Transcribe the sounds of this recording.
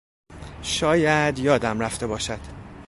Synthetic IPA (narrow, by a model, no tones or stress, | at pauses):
ʃɒːjæd̪jɒːd̪æmræft̪e̞bɒːʃæd̪̥